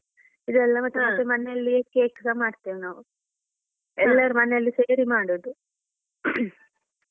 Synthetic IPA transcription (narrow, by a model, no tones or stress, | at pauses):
id̪uɛlːɐmɐʈ̪ːumɐt̪ːemɐnejɐlːiekeːkːsɐmaːɽt̪iːʋinaːʋu | ɛlːɐɾumɐneɐlːiseːɾimaːɽoːd̪u